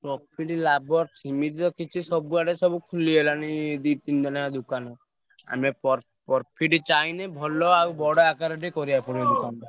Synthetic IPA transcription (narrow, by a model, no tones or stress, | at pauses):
pɾɔpʰiʈlabɔɾsimit̪t̪ɔkit͡ʃʰisɔbuaɽesɔbukʰulielanid̪it̪ind͡ʒ̪ɔnad̪ukanɔ | a̰mepɔɾ | pɔɾpʰiʈit͡ʃainebʱɔlɔawbɔɽɔakaɾɔʈikɔɾiapɔɽid̪ukanb̪a